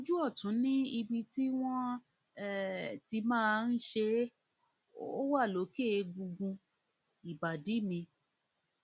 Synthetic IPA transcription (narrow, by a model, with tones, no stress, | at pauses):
o˦d͡ʒu˦ɔ˦˨tũ˨˦nĩ˦i˧bi˧ti˦w̃ɔ̃˦˨ | ti˧mãː˦˧˦n̩˦ʃe˧ | o˦wa˦˨lo˨˦ke˦˨˧ɡu˧ɡũ˧ | i˨ba˨di˨˦mĩ˧